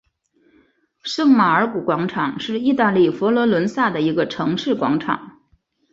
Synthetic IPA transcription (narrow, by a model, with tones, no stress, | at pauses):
ʂɤ˥˩ŋma˨˩ə˞˧˥ku˨˩kwɑ˧˥ŋʈ͡ʂʰɑ˨˩˦ŋʂɻ̩˥˧i˥˧t̪a˥˧li˥˩fɔ˧˥lwɔ˧˥lwə˧˥nsa˥˩d̪ə˩i˧˥ɡə˧ʈ͡ʂʰɤ˧˥ŋʂɻ̩˥˩kwɑ̰˧˥ŋʈ͡ʂʰɑ̰˨˩˦ŋ